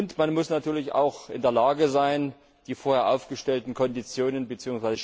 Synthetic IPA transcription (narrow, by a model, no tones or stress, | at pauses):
ʊntmanmʊsnatʰyːɐlɪça̰ʊxʔɪndeːɐlaːɡəzaɪn | d̥iːfoːɐheːɐʔaʊfɡ̥əʃtɛltn̩kʰɔndit͡sjoːnənbət͡siːʊŋsvaɪzə